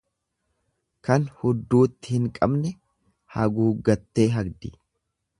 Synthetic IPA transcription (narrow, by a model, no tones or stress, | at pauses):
kɐnhʊd̪ːuːt̪ːɪhɪŋkʼɐbnɛ | hɐɡuːɡɐt̪ːe̞ːɦɐɡd̪ɪ